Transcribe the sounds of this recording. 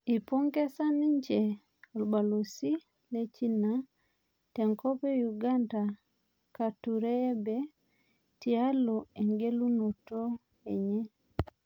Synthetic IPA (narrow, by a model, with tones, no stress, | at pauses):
i˨po˦ŋke˦sa˦ni˦ɲd͡ʒe˨ | o˨lba˨lo˨si˦ | le˦t͡ʃi˦na | te˨ŋko˦pe˦juɡa˦nda | ka˨tuɾeː˦be˦ | ti˨a˦loe˨ŋɡe˦lu˦no˨to˦ | e˨ɲɛ˦